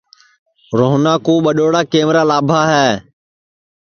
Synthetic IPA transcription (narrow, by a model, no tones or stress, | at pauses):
ɾoːɦnaːkoːɓəɗoːɽaːkeːmɾaːlaːbʱaːɦɛː